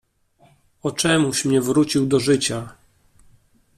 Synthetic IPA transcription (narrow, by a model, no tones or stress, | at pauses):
ɔt͡ʂɛmuɕmɲɛvɾut͡ɕiwd̪ɔʐɘt͡ɕa